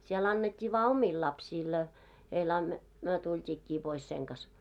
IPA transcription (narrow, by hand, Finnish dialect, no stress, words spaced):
siel ɑnːetʲːiː ʋɑː omil lɑpsiːl ɑ heil ɑn myø tultʲiːkːiː pois seŋ kɑs